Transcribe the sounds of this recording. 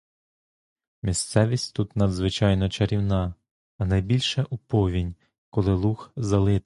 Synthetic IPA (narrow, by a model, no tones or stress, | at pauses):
mʲist̪sɛʋʲisʲtʲt̪ut̪nɐd̪zʋɪt͡ʃɑjnɔt͡ʃɐɾʲiwnɑː | nɐjbʲilʲʃɛʔupɔʋʲinʲ | kɔlˠɪlˠuxzɐlˠɪ